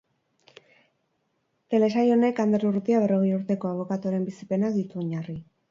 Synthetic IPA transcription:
t̪e̞le̞s̬ajo̞ne̞kand̪eɾuɾut̪iaβe̞ro̞ɣ̞ejuɾt̪e̞ko̞aβ̞o̞kat̪uoɾe̞mbisi̥pe̞nakd̪it̪uo̞ɲari

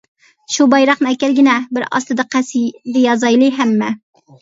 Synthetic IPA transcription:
ʃubɑjɾɑχnɨɛkʲɛlɡʲɪnɛbɪɾɑ̰st̪ɨd̪ɨqʰæsid̪ɪjɑzɑjlˠɨɦæmːɛ

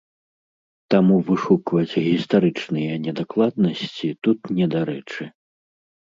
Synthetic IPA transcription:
t̪amuvɨʂukvɐd͡zʲɣʲist̪aɾɨt͡ʂnɨjɐnʲɛd̪aklˠad̪nɐsʲt͡sʲit̪ut̪nʲɛd̪aɾɛt͡ʂɨ

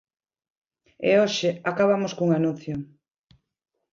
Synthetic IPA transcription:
ḛoʃɪakaβ̞amoskuŋanũn̟θjo

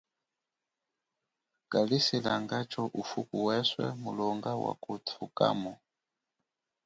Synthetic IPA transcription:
kʼalisilaŋɡat͡ʃʰɔʔufukʼuwɛswɛ̰mulɔŋɡawa̰kʼut̪ʰukʼa̰ːmɔ

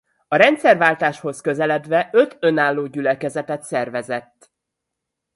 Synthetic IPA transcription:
ɒɾɛnt̪sɛrvaːlt̪aːʃho̞skø̞zɛlɛd̪ʋɛʔø̞t̪ø̞naːlːoːɟylɛkɛzɛt̪ɛt̪sɛrvɛzɛt̪ː

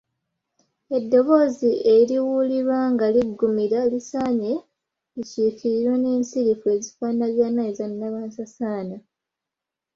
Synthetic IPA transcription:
e̞dːo̞βo̞ziʔeɾiwuliɾwaŋɡaliɡːumiɾalisaːɲe̞ | liciːkiɾiɾwe̞neːnsiɾifue̞zifanaβjaːnːaizanːaβaːnsasaːna

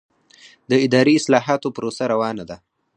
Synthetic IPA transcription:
d̪əɪd̪ɑɾiɪslɑːɦɑt̪opɾosaɾawɑnad̪a

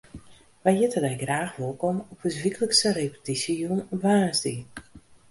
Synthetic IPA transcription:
ʋajjɪtʰədɛjɡraːxʋolˠkɔmɔpəsʋikələksəɾepə̥tisəjunɔpʋaːnzdi

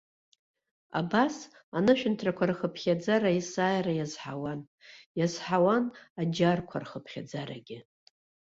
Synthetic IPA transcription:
a̰bas | anɨʃᶣɪntʰrakʷʰarχəpʰχʲad͡zaɾaisaːjɾajazħawan | jazħawanad͡ʒarkʷʰa̰rχəpʰχʲa̰d͡zaɾaɡʲɪ

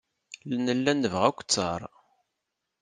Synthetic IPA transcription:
lnəlːænːəvʁækʷːt͡sːɑɾˤ

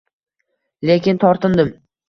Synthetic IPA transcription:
lekʲɪnt̪ʰɒɾt̪ɪnd̪ɪm

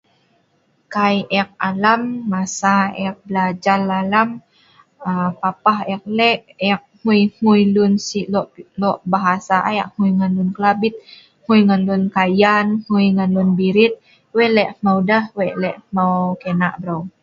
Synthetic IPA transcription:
kajɛk̚alamːasaɛk̚bəlad͡ʒalalam | apapahɛk̚lɛʔɛk̚hujhujlunsiʔlɔʔlɔʔbaɦasaʔajaʔhujŋanlunkəlabɪt̪̚ | hujŋanlunkajanhujŋanlunbiɾit̪̚ | wɛʔlɛʔmawdahwɛʔlɛʔmawkenaʔbɾaw

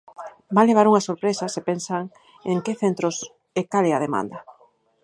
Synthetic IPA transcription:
bajleβ̞aɾuŋɐsoɾpɾesɐsepensaŋ | eŋkeθent̪ɾʊs | ekalɛaðemã̰nd̪ɐ

